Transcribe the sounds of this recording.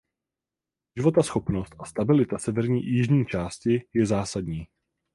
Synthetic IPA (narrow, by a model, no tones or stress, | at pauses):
ʒɪvo̞t̪asxo̞pno̞st̪ʔast̪abɪlɪt̪asɛvɛɾɲḭːjɪʒɲiːt͡ʃaːscɪjɛzaːsadɲiː